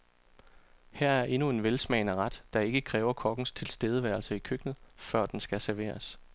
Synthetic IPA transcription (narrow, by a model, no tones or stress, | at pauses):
hæɐ̰æɐʔe̝nue̝nʋelsmɛ̰ɪnəʁɑd̥d̥ɑ̈e̝ɡ̥əkʰʁɛːʊɐkʰɒ̽ɡ̥ŋ̩st͡sʰe̝lsd̥eːð̞ˠəʋæɐlsɐikʰøɡ̥nð̩ˠfɶɐ̰d̥ensɡ̥æsæɐʋe̝̰ːɐs